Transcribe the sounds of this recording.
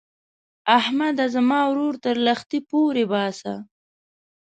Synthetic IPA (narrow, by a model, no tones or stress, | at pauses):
ahmad̪azamɑwɾoɾt̪əɾlaxt̪ipoɾebɑsa